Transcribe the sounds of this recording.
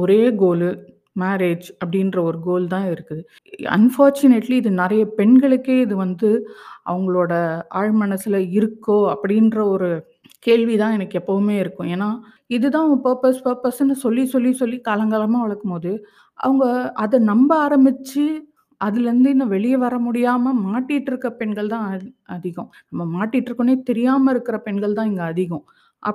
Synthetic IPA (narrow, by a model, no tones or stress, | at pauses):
ɔɾeːɡoːlɯ | maːɾeːd͡ʒɐpːɐɽɪnrɐɔɾɯɡoːlt̪ãːɪɾɯkːɯðɯ | ɐ̰nfaːɾt͡ʃʊneʈliːðɯnɛɾɐjɐpɛɳɡɐɭɯkːeːɪðɯʋɐnd̪ɯʔɐ̰ʋɐŋɡɐɭoːɽɐa̰ːɻmɐnɐsɪlɐɪɾɯkːõːɐpːɐɽɪnrɐɔɾɯ | keːɻʋit̪ãːɛnɐkːɯɛpːɐʋɯmeːɪɾɯkːʊ̃eːnːaː | ɪðɯt̪ãːɐʋɐpɐɾpɐspɐɾpɐsɐnːɯsɔlːisɔlːisɔlːikɐlɐŋɡɐlɐmeːʋɐɭɐkːɯmpoːðɯ | ʔɐ̰ʋɐŋɡɐʔɐðɐnɐmbɐaːɾɐmbɪt͡ʃːɯ | ɐðɪlɾɯnd̪ɯɪnd̪ɐʋɛɭɪjɐʋɐɾɐmʊɽɪjaːmɐmaːʈːɪʈːɪɾɯkːɾɐpɛnɡɐɭt̪ãːɐðɪɣʊ̃nɐmːɐmaːʈːɪʈːɪɾɯkːɐneːt̪ɛɾɪjaːmɐɪɾɯkːɪɾɐpɛnɡɐɭt̪ãːɛŋɡɐːðɪɣʊ̃ | ʔɐ̰